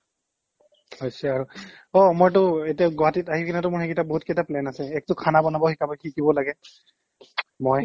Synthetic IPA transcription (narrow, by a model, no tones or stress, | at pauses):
hojsɛaɹu | ɔmojtʊetiaɡɔatitaɦikʰinatʊmʊɹhɛkitaboɦutkɛtaplɛnasɛɛk̚tʊkʰanabɔnabɔhikabɔjkʰikibɔlaɡɛ | moj